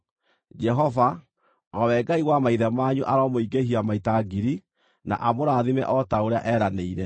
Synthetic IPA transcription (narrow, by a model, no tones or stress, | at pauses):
d͡ʒɛɦɔva | ɣɔwɛɡaiɣwamaiðɛmaɲuʔaɾɔmoiɡehiamaitaɡiɾi | na̰ʔamoɾaðimɛ̰ʔɔtaoɾea̰ʔɛɾaneiɾɛ